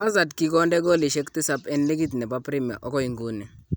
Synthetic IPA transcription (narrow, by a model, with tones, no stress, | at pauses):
a˦za˨dki˦kɔ˦ndɛ˦ɡɔ˦li˨ʃɛ˦ktɪ˦sa˦pɛ˦nlɛ˦ɡi˦t̬nɛ˨ba˦pɾi˦mja̰˨ʔɔ˦kɔ˦i˨ŋɡu˦nɛ˨